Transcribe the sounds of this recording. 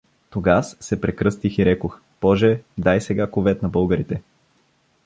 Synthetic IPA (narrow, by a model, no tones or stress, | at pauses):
t̪oɡasːɛpɾɛkɾɤst̪ixiɾɛkox | pɔʒɛd̪ajsɛɡakovɛt̪nɐbɤlˠɡəɾit̪ɛ